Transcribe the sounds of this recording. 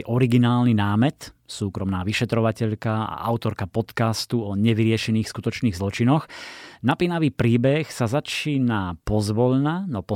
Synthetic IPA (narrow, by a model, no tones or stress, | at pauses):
ʔɔɾiɡinaːlninaːmɛt̪suːkɾɔmnaːʋiʃɛt̪ɾɔʋacɛʎkaa̰ʔaʊt̪ɔɾkapɔt̪kast̪uɔɲɛʋiɾɪɛʃɛniːxskut̪ɔt͡ʃniːɣzlɔt͡ʃinɔxnapinaʋiːpɾiːbɛxsazat͡ʃiːnapɔzʋɔʎnanɔpɔ